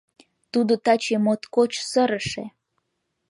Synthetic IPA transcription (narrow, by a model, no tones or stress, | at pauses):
t̪ud̪ot̪ɑt͡ɕemot̪kot͡ɕsəɾəʃḛ